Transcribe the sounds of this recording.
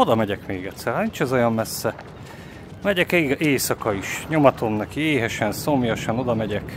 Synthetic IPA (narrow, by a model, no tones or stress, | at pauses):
o̞d̪ɒmɛɟɛkmeːɡɛt̪sːɛrnint͡ʃɛzojɒmmɛsːɛ | mɛɟɛkeːɡeːsɒkɒiʃɲomɒt̪ʰomnɛkieːɦɛʃɛnso̞mjɒʃɒno̞d̪ɒmɛɟɛk